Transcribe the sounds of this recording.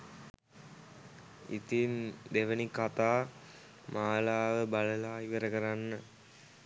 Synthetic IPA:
ḭt̪ind̪eʋɐnikat̪aː | maːlaːʋəbɐɭɐlaːiʋɐɾɐkɐɾanːə

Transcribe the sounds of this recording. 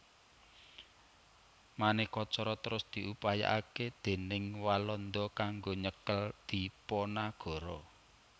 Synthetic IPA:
manehkɔt͡ʃɔɾɔt̪əɾʊsd̪̥i̤ʔupaja̰ʔaked̪̥e̤nɪŋwalɔnd̪ɔkaŋɡoɲəkəld̪̥i̤pɔnaɡ̥ɔ̤ɾɔ

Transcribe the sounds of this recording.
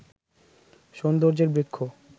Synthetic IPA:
ʃond̪oɾd͡ʑeɾbekʰːo

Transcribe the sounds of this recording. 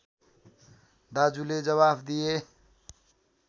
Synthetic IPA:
d̪ad͡zuled͡zʌβabd̪ije

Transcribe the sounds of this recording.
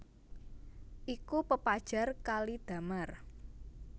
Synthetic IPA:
ʔikupəpad̥ʒ̥a̤rkalid̪̥a̤mar

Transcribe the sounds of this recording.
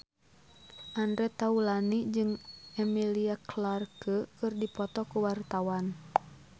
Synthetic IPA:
ʔandɾɛt̪aulanid͡ʒɨŋɛmiliaklarkəkɨrdipɔt̪ɔkuwart̪awan

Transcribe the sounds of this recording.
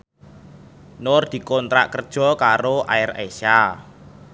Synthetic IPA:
nord̪̥i̤kɔnt̪ɾa̰ʔkərd̥ʒ̥ɔ̤kaɾoʔa̰ɪresa

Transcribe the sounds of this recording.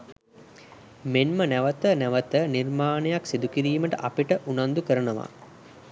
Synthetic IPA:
menmənæʋət̪ənæʋət̪ənirmaːnejaksid̪ukiɾiːməʈəʔapiʈəʔunand̪ukəɾənəʋa̰

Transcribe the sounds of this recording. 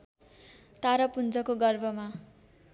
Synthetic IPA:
t̪aɾʌpund͡zʌkoɡʌrbʱʌma

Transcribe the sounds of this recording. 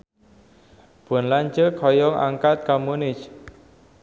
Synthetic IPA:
b̥ɔ̤nlaɲd͡ʒəkʰɔjɔŋʔa̰ŋkat̪̚kamunɪt͡ʃ

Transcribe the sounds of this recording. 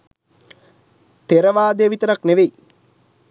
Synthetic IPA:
t̪eɾəʋaːd̪ejʋit̪əɾakneʋeji

